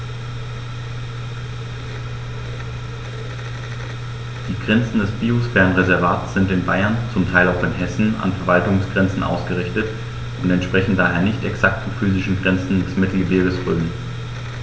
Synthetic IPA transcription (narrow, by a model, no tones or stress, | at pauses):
d̥iːɡʁɛnt͡sn̩dɛsb̥iːosfɛɐnʁezɛɐvaːtsz̥ɪntɪnbaɪɐnt͡sʊmtʰaɪlaʊxɪnɦɛsn̩a̰nfɛɐvaltʊŋsɡ̥ʁɛnt͡sn̩ʔa̰ʊsɡ̥əʁɪçtət | ʔʊntɛntʃpʁ̥ɛçn̩d̥aːɦeːɐnɪçtɛksak̚tt͡sufyːzɪʃn̩ɡʁɛnt͡sn̩dɛsmɪtl̩ɡəveːbəsʁøːmn